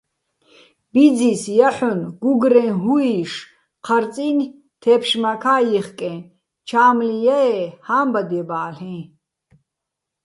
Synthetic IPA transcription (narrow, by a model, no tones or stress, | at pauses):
b̥id͡zisjaħɔnɡuɡɾɛ̃nɦuiʃ | qʰaɾt͡sʼin | t̪ʰɛːpʃmakʰaːjiχkʼɛ̃ | t͡ʃʰaːmlijaɛhaːmbad̪iɛbaːɬɛ̃